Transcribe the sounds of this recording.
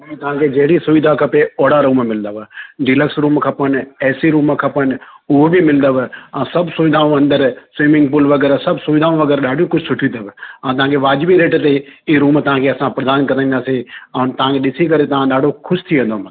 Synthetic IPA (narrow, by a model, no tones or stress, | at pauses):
ɐmĩt̪ɐʋ̤ãkʰed͡ʑɐɦɪɽisʊʋɪd̪ʱakʰɐpeoːɽaɾuːmmɪlə̃nd̪aʋɖɪləksɾuːmkʰɐpənɛːsiɾuːmkʰɐpənʊɦobimɪlə̃nd̪əʋɛ̃ːsɐbʱsʊʋɪd̪ʱaːũɐ̃nd̪əɾsʋimɪ̃ŋɡpʊlʋɐɡɛːɾsɐbʱsʊʋɪd̪ʱaːũʋɐɡɛːɾɗaːɖʱijũkʊd͡ʒʱsʊʈʰjĩt̪əbɪãːt̪ɐʋ̤ãːkʰeʋaːd͡ʑʋiɾeːʈt̪eiɾuːmt̪ɐʋ̤ãkʰeɐsãpɾɐd̪aːnkɐɾãĩnd̪aːseɛ̃ːnt̪ɐʋ̤ãkʰeɗɪsikɐɾet̪ɐʋ̤ãɗaːɖʱokʰʊʃt̪ʰiʋẽnd̪om